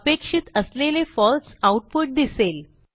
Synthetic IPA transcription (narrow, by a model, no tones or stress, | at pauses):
pekʂit̪əslelefɔlsawʈ̚puʈ̚d̪isel